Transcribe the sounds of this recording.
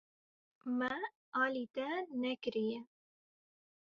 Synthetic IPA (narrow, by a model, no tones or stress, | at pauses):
mɛ | ɑːlit̪ɛnɛkɨɾijɛ